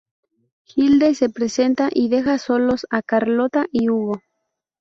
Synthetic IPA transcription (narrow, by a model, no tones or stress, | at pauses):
xild̪ese̞pɾe̞se̞nt̪aʔiðe̞xaso̞lo̞sakaɾlo̞t̪aʔiuɣo̞